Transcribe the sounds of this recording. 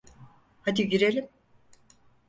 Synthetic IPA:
had̪iɟyɾelʲim

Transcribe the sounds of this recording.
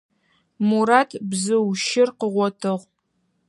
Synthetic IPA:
muɾaːtʰbzɨwʃɪrqəʁʷɔtʰɨʁ

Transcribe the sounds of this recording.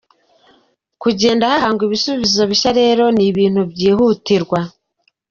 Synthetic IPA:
kuɟe̞ːndahahaːŋɡwiβisuβizo̞βiʃaɾe̞ːɾo̞niβiːnhubɟiːhutiɾɡwa

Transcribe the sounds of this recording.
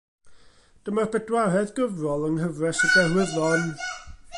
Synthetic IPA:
d̥əmarbɛdwarɛðɡəvrɔlˠəŋhəvrɛsədɛrwɪðɔn

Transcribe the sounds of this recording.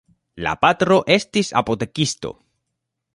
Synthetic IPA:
la̰pat̪ɾo̞ʔe̞stisa̰po̞t̪e̞kist̪o̞̰

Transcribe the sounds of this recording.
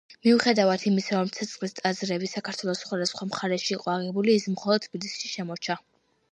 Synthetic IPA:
miuχɛd̪avat̪ʰimisaɾɔmt̪sʰɛt̪sʼqʼlist̪ʼazɾɛbisakʰaɾt̪ʰwɛlˠɔsχwad̪asχwamχaɾɛʃiːqʼɔaʁɛbulismχɔlˠɔd̪̚t̪ʰb̥ilisʃi̥ʃɛmɔt͡ʃʰa

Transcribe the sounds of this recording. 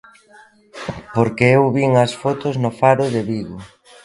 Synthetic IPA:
poɾkeewβiŋɐsfot̪ʊznʊfaɾʊðeβiɣʊ

